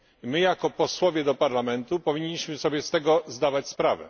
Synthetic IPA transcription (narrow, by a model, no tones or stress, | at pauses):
mɘjakɔpɔswɔvʲjɛd̪ɔpaɾlamɛnt̪upɔvʲiɲːiɕmɘsɔbʲjɛst̪ɛɡɔzd̪avat͡ɕspɾavɛ̰